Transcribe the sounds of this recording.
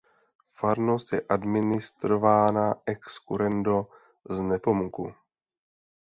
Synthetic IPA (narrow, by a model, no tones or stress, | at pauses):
faɾnost̪jɛʔadmɪnɪst̪ɾo̞vaːnaʔɛkskuɾɛndo̞ | znɛpo̞mukṵ